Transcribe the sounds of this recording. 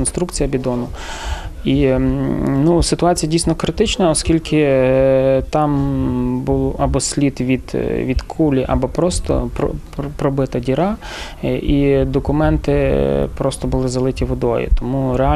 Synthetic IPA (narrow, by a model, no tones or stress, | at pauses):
nst̪ɾukt͡sʲijɐbʲid̪ɔnʊ | i | nusɪt̪ʊɑt͡sʲijɐdʲijsnɔkɾɪt̪ɪt͡ʃnɐɔskʲilʲkɪ | t̪ɑmbulˠʔɐbɔsʲlʲit̪ʋʲid̪ʋʲid̪kʰulʲiʔɐ̰bɔpɾɔst̪ɔ̰pɾɔ̰ | pɾɔbɪt̪ɐdʲiɾɑ | id̪ɔkʊmɛnt̪ɪpɾɔst̪ɔbʊlˠɪzɐlˠɪtʲiʋɔd̪ɔjʊ̰t̪ɔmuɾeɑ